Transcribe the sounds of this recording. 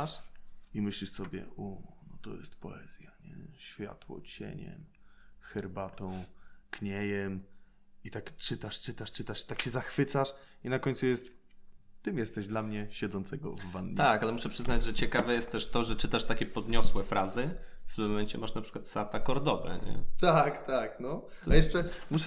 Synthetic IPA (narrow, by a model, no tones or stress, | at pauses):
ʂimɘɕlʲiʂsɔbʲjɛ̰unɔt̪ɔjɛst̪pɔ̰ɛ̰z̥ʲjaɲɛ̰ɕfʲja̰t̪wɔ̰t͡ɕḛɲɛ̰mxɛɾbat̪ɔ̃w̃kɲɛjɛm | it̪akt͡ʂɘt̪aʂt͡ʂɘt̪aʂt͡ʂɘt̪aʂi̥t̪akɕɛzaxfɘt̪saʂinakɔɲt̪sujɛst̪t̪ɘmjɛst̪ɛʑd̪lamɲɛɕɛd̪zɔnt̪sɛɡɔ̰vːanːt̪akalɛmuʂɛpʂɘznad͡ʑʐɛt͡ɕɛkavɛjɛst̪t̪ɛʂt̪ɔʐɛt͡ʂɘt̪aʂt̪akʲɛpɔd̪ɲɔswɛfɾʔazɘft̪ɘmmːɔmɛɲt͡ɕɛmaʂnapʂɘ̥kwḁt̪sat̪akɔɾd̪ɔbɛ̰ɲɛ̰t̪akt̪aknɔajɛʂt͡ʂɛmuʂ